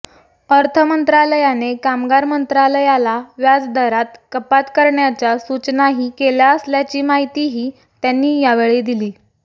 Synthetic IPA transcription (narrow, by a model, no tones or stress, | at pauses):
əɾt̪ʰəmənt̪ɾaləjanekamɡaɾmənt̪ɾaləjalaʋjad͡zd̪əɾat̪kəpat̪kəɾɳjat͡ɕjasut͡ɕnaɦiːkeljaəsljat͡ɕiːmaɦit̪iɦiː | t̪janːiːjaʋeɭed̪iliː